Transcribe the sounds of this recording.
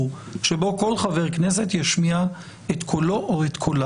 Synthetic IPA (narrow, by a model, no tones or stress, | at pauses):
u | ʃebo̞ko̞lχaveʁkne̞s̬e̞t̪jaʃmia | et̪kʰolo̞ʔoet̪kʰola